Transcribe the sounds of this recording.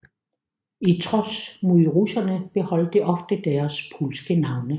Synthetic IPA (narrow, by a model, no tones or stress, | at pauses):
it͡sʰʁɒsmuðˠʁusɐnəb̥e̝hɒ̽l̰d̥eʔɒ̽fd̥əd̥æɐspʰulsɡ̥ənɑ̈ʊnə